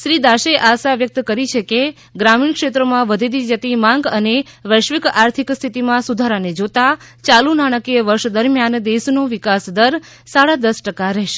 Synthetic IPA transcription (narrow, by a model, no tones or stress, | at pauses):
ʃɾid̪aʃeʔaʃaʋjək̚t̪kəɾit͡ʃʰeke | ɡɾamiɳkʃet̪ɾəmãʋəd̪ʱid̪id͡ʒət̪imãŋɡəneʋəʃʋikaɾt̪ʰikst̪ʰit̪imãsud̪ʱaɾaned͡ʒot̪at͡ʃalunaɽ̃əkiəʋəɾʃd̪əɾmjand̪esnoʋikasd̪əɾ | saɽad̪əsʈəkaɾɛɦʃe̥